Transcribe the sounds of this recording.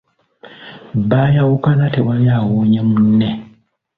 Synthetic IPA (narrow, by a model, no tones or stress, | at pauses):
bajawukanatewajawoɲemunːe